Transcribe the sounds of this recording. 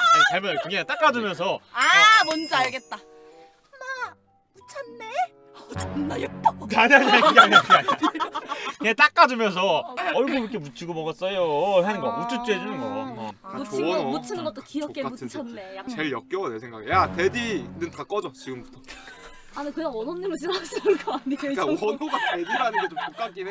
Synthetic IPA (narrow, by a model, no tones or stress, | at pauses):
t͡ɕaɭmʌkʰiɡet͈ak͈ad͡ʑumjʌns̬ʰʌamʌnd͡ʑʌaɭɡe̞t̚t͈a | na | mut͡ɕʰʌnːe | naj̚t͈aaɲaɲkɯɡaɲiaaɲa | ɲet͈ak͈̚ad͡ʑumjʌns̬ʰʌʌɭɡukʰemut͡ɕʰiɡomʌɡʌs͈ʌjoɦanɯŋɡʌmut͡ɕ͈ʰut͡ɕ͈uɦed͡ʑunɯnɡʌʌnut͡ɕʰimut͡ɕʰinɯɡʌt͈okiʌkk͈eut͡ɕʰʌnːejakt͡ɕeɭjʌk̚k͈jʌɡʌnesʰeŋɡaɡejatedinɯntak͈ʌd͡ʑot͡ɕiɡɯmbutʰʌ | anikɯɲaŋʌnʌmɲiɾoɕʰinaɕʰinɯnɡʌanːeoʌnʰoatedianɯnɡet͡ɕompokk͈ak͈i